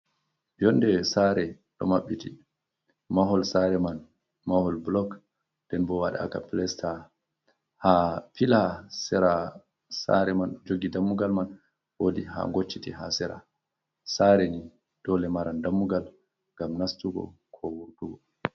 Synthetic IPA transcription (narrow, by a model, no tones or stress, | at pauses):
jɔndɛsaɾɛ | ɗɔ̰maɓːiti | maɦɔlsaɾɛman | mahɔlblɔk | d̥ɛnbɔwaɗaa̰ka̰plɛsta | hafilasɛɾa | sa̰ɾɛmanɗɔd͡ʒoɡidamːuɡalman | wodiha̰ŋɡot͡ʃːitiɦa̰sɛɾa̰ | saɾɛni | d̥ɔlɛmaɾandamːuɡal | ŋɡamnastuɡɔ̰ | kʰɔwuɾtuɡɔ